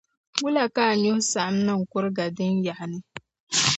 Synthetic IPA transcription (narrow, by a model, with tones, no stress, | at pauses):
wʊ˦la˨ka˦˨ɲʊ˦hʊ˦sa˨ʔa˦mnɨ˦ŋ̩˨kʊ˦ɾɨ˦ɡa˨dɨ˦nja˨ʔa˨nɨ˦